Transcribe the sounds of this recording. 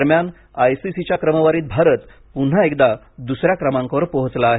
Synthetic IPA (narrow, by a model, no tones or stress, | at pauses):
əɾmjan | ajsisit͡ɕjakɾəməʋaɾiːt̪̚bʱaɾət̪ | pun̤əekd̪a | d̪usɾjakɾəmãŋkʋəɾpɔɦət͡slaːɦe